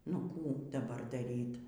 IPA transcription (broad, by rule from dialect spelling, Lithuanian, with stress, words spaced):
nʊ ˈkuː dɐˈbɐr dɐˈrʲiːt